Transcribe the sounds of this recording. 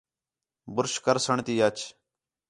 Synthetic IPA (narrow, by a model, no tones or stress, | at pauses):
bʊɾʃkəɾsəɳt̪iːət͡ʃ